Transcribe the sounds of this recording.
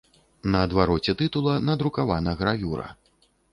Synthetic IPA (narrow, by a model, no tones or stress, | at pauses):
nɐːd̪vaɾɔt͡sʲɛt̪ɨt̪ulˠɐnɐd̪ɾukavanɐɣɾavʲuɾɐ̰